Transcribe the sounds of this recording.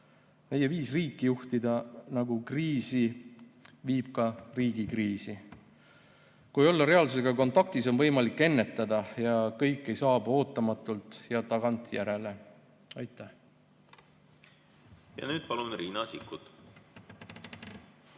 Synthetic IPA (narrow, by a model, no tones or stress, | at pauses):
me̞je̞viːsriːkːˑijuht̪id̪̥ɑnɑɡ̥ukriːsi | viːb̥̚kɑriːɡ̥ikriːsi | kuejo̞lːɑɾe̞ɑlsuse̞ɡ̥ɑko̞nt̪ˑɑk̚t̪iso̞nvɤjmɑlikːe̞nːe̞t̪ːˑɑd̪̥ɑjɑkɤjkːˑe̞jsɑːbo̞ːt̪ːˑɑmɑt̪ːˑult̪ˑjɑt̪ɑɡ̥ɑnt̪jæɾe̞le̞ | ɑjt̪ːˑæh | jɑ̰nyːd̪̥̚pɑlunriːnɑsikːˑut̪